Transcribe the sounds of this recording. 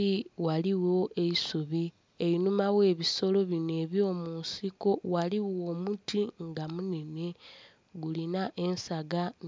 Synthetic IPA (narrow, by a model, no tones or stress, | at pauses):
iwaliwo̞ʔe̞isuβi | e̞inumawe̞ːβiso̞lo̞βine̞ːβjo̞ːmunsiko̞waliwoːmutiŋɡamune̞ne̞ | ɡulinaʔe̞nsaɡa